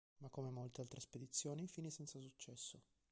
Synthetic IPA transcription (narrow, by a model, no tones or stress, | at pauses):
makːomemolt̪ealt̪ɾesped̪it̪sːjoːnifiːnisɛnt̪sas̬ut͡ʃːɛsːo